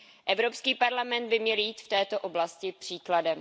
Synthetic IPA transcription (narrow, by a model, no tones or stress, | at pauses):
ʔɛvɾo̞pskiːpaɾlamɛnd̪̚bɪmɲɛljiːt̪ft̪ɛːt̪o̞ʔoblascɪpr̝̥iːkladɛm